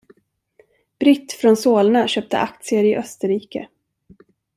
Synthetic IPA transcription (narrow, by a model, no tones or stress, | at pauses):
b̥ɾɪt̪ːfɾɔnsoːlnaɕøːp̚t̪ʰə̰ʔak̚t̪sɪəɾɪʔœst̪əɾiːkə̰